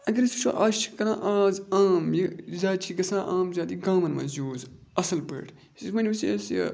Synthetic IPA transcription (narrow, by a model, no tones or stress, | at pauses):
ɐɡɐɾisut͡ʃʰo̰ʔaːst͡ʃʰi̥kɐɾãːʔaːzaːmjizaːd̪t͡ʃʰiɡɐsãːʔaːmzʲaːt̪iɡãːmɐnmɐ̰̃ːzoːz | ɐsɐlbə̰ʈʰ | sismɐnʲmɐss